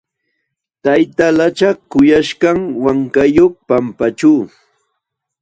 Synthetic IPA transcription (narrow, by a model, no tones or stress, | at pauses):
t̪ajt̪alat͡ʃɑkʊjaʃɢɑŋwaŋkajoχpampat͡ʃuː